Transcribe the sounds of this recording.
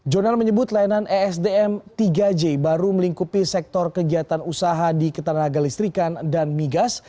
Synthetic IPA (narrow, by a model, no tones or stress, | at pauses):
d͡ʒonalməɲəbʊt̪lajananʔɛɛsdeɛmt̪iɡad͡ʒebaɾuməliŋkupisɛk̚t̪ɔrkəɡiat̪anusaɦadikət̪anaɡalist̪ɾikandanmiɡas